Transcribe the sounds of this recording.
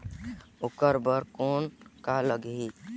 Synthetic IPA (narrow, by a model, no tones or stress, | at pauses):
ukəɾbəɾkonkaləɡɦi